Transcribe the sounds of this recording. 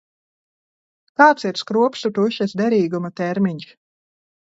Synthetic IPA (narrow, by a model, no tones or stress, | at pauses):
kaːt̪siɾskɾuɔpsut̪uʃɛsd̪ɛɾiːɡumat̪ɛɾmʲiɲs